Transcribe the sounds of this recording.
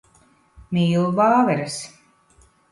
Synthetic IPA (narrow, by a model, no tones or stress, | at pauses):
mʲiːlˠubaːvɛɾɨs